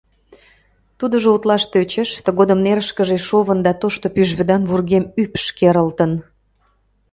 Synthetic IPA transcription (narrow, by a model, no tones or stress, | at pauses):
t̪ud̪əʒout̪lɑʃt̪øt͡ɕeʃt̪əɣod̪ə̆mneɾəʃkəʒeʃoβənd̪ɑt̪oʃt̪opyʒβø̆d̪ɑnβurɣemypʃkeɾəlt̪ən